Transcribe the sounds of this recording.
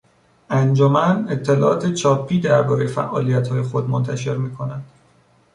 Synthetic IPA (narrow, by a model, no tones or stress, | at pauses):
ʔænd͡ʒomæne̞t̪ʰːe̞lɒːʔɒːt̪ʰe̞t͡ʃʰɒːpʰːiːd̪æɾbɒːɾe̞jefæ̰ʔɒ̰ːlijæt̪hɒːje̞xo̞d̪mont̪ʰæʃe̞ɾmiːkʰo̞nænd̪̥